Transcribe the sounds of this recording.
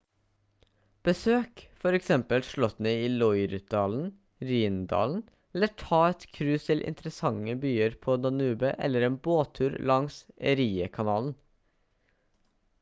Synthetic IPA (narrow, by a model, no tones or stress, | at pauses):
b̥əsøːkfɔɾɛksɛmpəlʃɭɔt̪nɛiːlɔʏɾʉt̪̚d̪ɑːln̩ | ɾiːnd̪ɑ̰ːln̩ | ɛləʈʰɑːɛt̪kʰɾʉːst̪ʰɪlʔɪ̰nt̪ɾəsɑŋəbyːəɾpʰoːd̪ɑnʉːbəʔɛ̰ləɾeːnboːt̪ʰʉːɾlɑŋsəɾiːəkʰɑnɑːln̩